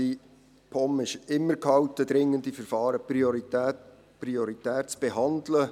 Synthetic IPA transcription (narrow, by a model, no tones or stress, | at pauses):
i | pʰɔmɪʃɪmːəɾkhɑwtəd̪ɾɪŋːəndifəɾfɑːɾəpioɾitæt | priɔɾit̪æːt̚t͡sb̥eɦɑndlə